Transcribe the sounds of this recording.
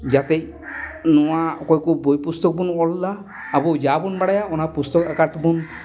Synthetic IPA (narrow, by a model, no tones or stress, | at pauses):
d͡ʒat̪ej | nɔwakɔjkubojpust̪ɔk̚bunɔllaː | bud͡ʒabunbaɽajaɔnapust̪ɔkakat̪bun